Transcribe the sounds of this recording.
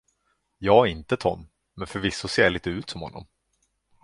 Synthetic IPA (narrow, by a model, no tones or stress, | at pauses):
jɑːɪnt̪ət̪ʰɔmː | ɛnfœɾvɪsːʊseːɭiːt̪əʉ̟ːt̪sɔmhɔnːɔ̰m